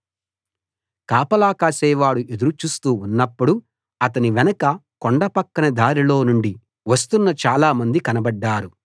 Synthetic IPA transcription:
kaːpɐlaːkaːsɛːʋaːɽuʔed̪uɾut͡ʃuːst̪uːunːɐpːuɽu | ɐt̪ɐniʋɛnɐkɐ | koɳɖɐpɐkːɐnɐd̪aːɾilo̞ːnuɳɖi | ʋɐst̪unːɐt͡ʃaːlaːmɐnd̪ikɐnɐbɐɖːaːɾu

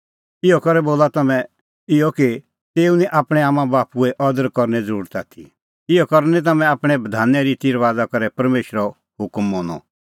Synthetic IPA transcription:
ɪjɔkɐɾɛboːlat̪ɐmɛ̃ | ɪjɔki | t̪eːunĩʔaːpɽ̃ɛaːmãbaːpuɛʔɔd̪əɾkɔɾnɛd͡zəɾuːɾt̪aːt̪ʰḭ | ɪjɔkɔɾnĩt̪̬ɐmɛ̃aːpɽ̃ɛbɐd̪ʱaːnːɛɾit̪iɾʋaːd͡zakɐɾɛpɐɾmeːʃɾɔ | ɦʊkmːõːnɔ̰

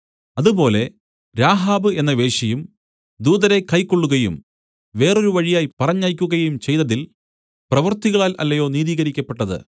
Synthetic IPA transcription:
ɐðubo̞ːle̞ | ɾaːɦaːbɨe̞nːɐʋe̞ːʂɐjum | d̪uːðɐɾe̞kɐjkːoɭːuɣɐjṵm | ʋe̞ːroɾuʋɐɻijaːjipɐrɐɲːaːjkʲːuɣɐjumt͡ɕe̞jt̪ɐðil | prɐʋɐrt̪iɣɐɭaːlʔɐ̰lːɐjo̞ːniːðiːɣɐɾikʲːɐpːe̞ʈːɐðɨ̰

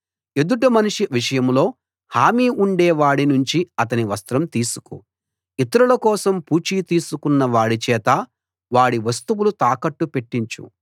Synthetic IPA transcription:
e̞d̪uʈ̬umɐnuʂiʋiʂɐjɐmlo̞ː | haːmiːuɳɖɛːʋaːɽinuɲt͡ʃiɐt̪̬ɐniʋɐst̪ɾɐmt̪iːsu̥kṵ | it̪ɐɾulɐkɔːsɐmpuːt͡ʃiːt̪iːsukunːɐʋaːɽit͡ʃɛːt̪ɐ | ʋaːɽiʋɐst̪uwulut̪aːkɐʈːupe̞ʈːiɲt͡ʃṵ

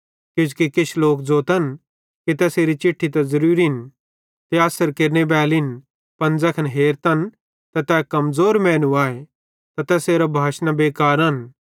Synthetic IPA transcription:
kɪd͡ʒkikɪt͡ʃʰloːkd͡zoːt̪ɐn | ket̪ɛːseːɾit͡ʃɪʈʰːit̪ɐzɐɾuːɾin | t̪eaːsəɾkeɾnebɛːlɪn | pɐ̃nd͡zɐkʰɐnɦeːɾt̪ɐn | t̪ɐt̪ɛːkɐmzoːɾmɛ̃ːnuaːe | t̪at̪ɛːseːɾabʱaːʃnabeːkaːɾɐn

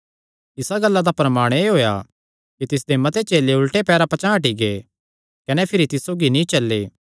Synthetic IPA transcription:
ɪsaɡɐlːad̪apɾɐmaːɽ̃eeɦoːja̰ | kit̪ɪs̬d̪emɐt̪ʰet͡ʃeːleʊlʈepɛːɾapɐt͡ʃãɦɐʈiɡe | kɐnɛpʰɪɾit̪ɪssoːɡinĩt͡ʃɐlːḛː

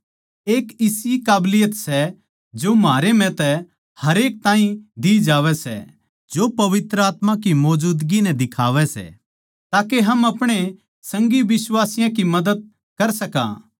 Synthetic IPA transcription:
eːkɪsikaːblɪjət̪sɛ | d͡ʒomɦaːɾem̤ɛ̃t̪ɛ | hɐɾeːk̚t̪ãːɦĩd̪id͡ʒaːʋɛsɛ̰ | d͡ʒopɐʋɪt̪ɾəaːt̪mãkimɔːd͡ʒuːd̪ɡinɛd̪ɪkʰa̰ːʋɛsɛ̰ | t̪aːkeɦɐmɐpɽ̃e | sɐ̃ŋɡiʋɪswaːsɪjãkimɐd̪əd̪̚ | kɐɾsɐka̰ː

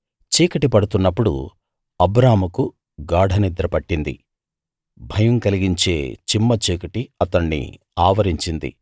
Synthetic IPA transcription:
t͡ʃiːkɐʈipɐɽut̪unːɐpːuɽṵ | ɐbɾaːɐmuku | ɡaːɽʱɐnid̪ɾɐpɐʈːind̪ḭ | bʱɐjɐŋkɐliɡiɲt͡ʃe̞̰ːt͡ʃimːɐt͡ʃiːkɐʈiɐt̪ɐɳːḭ | aːʋɐɾiɲt͡ʃind̪ḭ

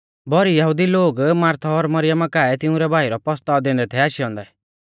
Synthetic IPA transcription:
bɔɾijɐɦud̪iloːɡmaːɾt̪ʰɔːɾmɐɾɪjamakaːɛt̪ɪũɾɛbʱaːiɾɔpɔst̪ad̪ẽnd̪ɛt̪ʰɛaːʃiɔ̃ːnd̪ɛ

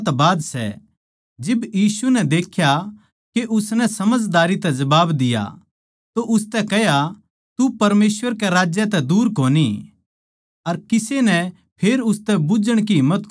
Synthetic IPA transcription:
t̪baːd̪sɛ̰ | d͡ʒɪbjiːsunɛd̪eːkʰːja | keʔʊsnɛsɐməd͡ʒd̪aːɾit̪ɛd͡ʒɐbaːbd̪ɪja̰ | t̪oʔʊst̪ɛkɛɦja | t̪upɐɾmeːswəɾkɛɾaːd͡ʒjɐt̪ɛd̪uːɾkoːni | ɐɾkɪsenɛ | pʰeːɾʊst̪ɛbʊd͡ʒəɽ̃k̬iɦɪmːət̪

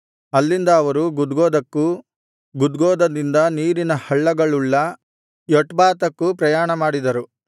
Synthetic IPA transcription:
ɐlːind̪ɐːʋɐɾuɡud̪ɡoːd̪ɐkːu | ɡud̪ɡɔːd̪ɐd̪ind̪ɐniːɾinɐhɐɭːɐɡɐɭuɭːɐ | jɔʈbaːt̪ɐkːupɾɐjaːɳɐmaːɽid̪ɐɾu

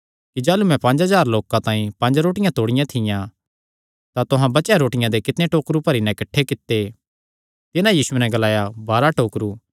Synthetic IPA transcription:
kid͡ʒaːlumɛ̃pɐ̃ɲd͡ʒɦazaːɾloːkãt̪ãːĩpɐ̃nd͡ʒɾoːʈɪjãt̪oːɽɪjãt̪ʰɪjã | t̪at̪ʊɦãbɐt͡ʃjaɾoːʈɪjãd̪ekɪt̪neʈoːkɾupɐɾinɛɪkɐʈʰːekɪt̪ːe | t̪ɪnãjiːsuenɛɡɐlaːjabaːɾaʈoːkɾuː

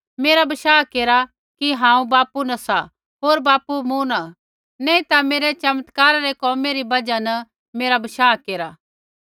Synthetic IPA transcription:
meːɾabɐʃaːkeːɾa | kiɦãːũbaːpunɐsa | ɦoːɾbaːpumuna | nɛ̃ːĩt̪ameːɾet͡ʃɐmət̪kaːɾaɾekɔːmeɾibɐd͡ʒanɐ | meːɾabɐʃaːkeːɾa

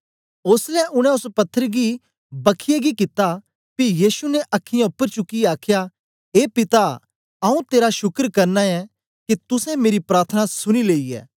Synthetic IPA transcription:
oːslɛʔʊɽ̃ɛ̃ʊspɐt̪ʰːəɾɡi | bɐkʰɪjeɡikɪt̪a | pijiːsunɛʔɐkʰːɪjãʊpːəɾt͡ʃʊkːiaːkʰja | eːpɪt̪a | ɐũt̪eːɾaʃʊkəɾkɐɾnaɛ | kit̪ʊsɛ̃meːɾipɾaːɾt̪ʰənasʊñileːiɛ̰ː

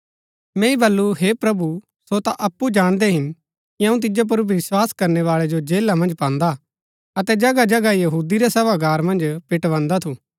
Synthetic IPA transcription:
mɛ̃ːĩbɐlːuɦepɾɐbu | sot̪aʔɐpːud͡ʒaːɽ̃d̪ɛɦɪn | kiɐ̃ũt̪̬ɪd͡ʒop̬ʊɾʋɪswaːskɐɾnɛʋaːɭɛd͡ʒod͡ʒeːlamɐ̃nd͡ʒpãːnd̪a | ɐt̪ɛd͡ʒɐɡad͡ʒɐɡajɐɦuːd̪iɾɛseʋaɡaːɾmɐ̃nd͡ʒpɪʈʋãːnd̪at̪ʰuː

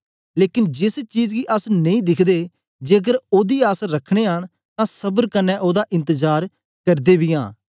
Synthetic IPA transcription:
leːkɪnd͡ʒɪst͡ʃiːd͡ʒɡiʔəsnɐ̃ĩːd̪ɪkʰd̪eː | d͡ʒeːəɡəɾoːd̪iːəsɾəkʰɽ̃eːɦəɽ̃ | t̪ãːsəbəɾkənːɛ̃ːʔoːd̪aːʔɪ̃nt̪əd͡ʒaːɾ | kəɾd̪eːbiːã̰ː

